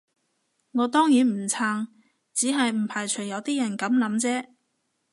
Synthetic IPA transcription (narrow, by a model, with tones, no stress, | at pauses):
ŋɔː˨˧t̪ɔː˥ŋjiː˨˥nm̩˨˩t͡sʰaː˧ŋ | t͡siː˨˥ɦɐ˨jm̩˨˩pʰaː˨˩jt͡ʃʰɵ˨˩jɐ˨˧wt̪iː˥jɐ˨˩nkɐ˨˥mlɐ˨˥mt͡sɛː˥